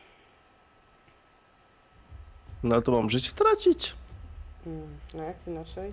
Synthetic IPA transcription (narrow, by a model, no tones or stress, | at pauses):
nalɛt̪ɔmamʐɘt͡ɕɛ̥t̪ɾat͡ɕit͡ɕ̩ | t̪aakinat͡ʂɛj